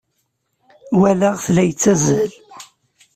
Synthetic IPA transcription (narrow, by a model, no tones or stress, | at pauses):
wælæʁθlæjət͡sːæzəl